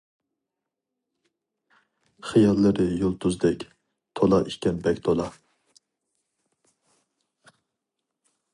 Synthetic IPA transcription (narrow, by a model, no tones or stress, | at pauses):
χijɑlˠːɨɾɨjolˠt̪ʰuzd̪ɛkʲ | t̪ʰolˠɑʔiʃkʲɛnbɛkʲt̪ʰolˠɑ